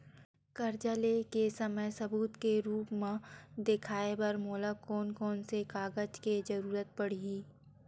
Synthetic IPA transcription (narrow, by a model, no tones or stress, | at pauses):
kɐɾd͡ʒəlekesɐməjsɐbuːt̪keɾuːpmãd̪ɪkʰaːebɐɾmoːlakɔːnkɔːnsekaːɡəd͡ʒked͡ʒɐɾuːɾət̪̚pɐɽ̤iiː